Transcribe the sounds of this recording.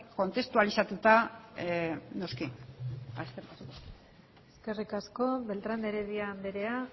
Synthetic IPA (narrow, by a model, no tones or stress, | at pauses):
ko̞nt̪e̞st̪ualisat̪ut̪a | no̞ski | a̰skerikasiko | eske̞rikasko̞βe̞lt̪ɾand̪eɾeðiand̪eɾe̞a